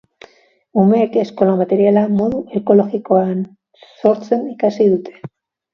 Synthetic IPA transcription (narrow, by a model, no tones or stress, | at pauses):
umekesko̞lamat̪e̞ɾjalamo̞ðuʔeko̞lo̞xɣikoan | so̞ɾt͡se̞nikasiðut̪ʰe̥